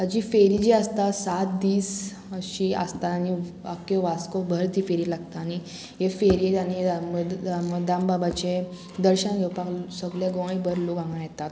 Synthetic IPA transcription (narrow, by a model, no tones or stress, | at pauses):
əd͡ʑifeɾid͡ʑiəst̪asat̪̚d̪iːs | əɕia̰st̪aːñi | əkjɔʋaskobʱəɾd̪ʱiːfeɾilaɡt̪aːñi | jefeɾieañimməd̪ambabat͡ɕe | d̪əɾɕənɡʱəwpaksəɡlɛɡɔ̃ĩbəɾlokãŋɡãjɛt̪at̪